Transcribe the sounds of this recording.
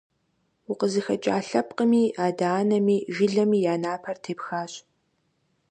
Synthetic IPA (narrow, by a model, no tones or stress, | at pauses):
wʊqəzɨxɐt͡ʃʼa̰ːɬɐpqəmiːʔaːdaːnɐmiːʒɪɮɐmiːjaːnaːpʰɐrtʰeːpxaːɕʼ